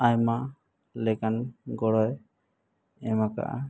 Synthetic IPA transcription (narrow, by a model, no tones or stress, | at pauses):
ajma | lɛkanɡɔɽɔj | ɛmaka̰ʔa̰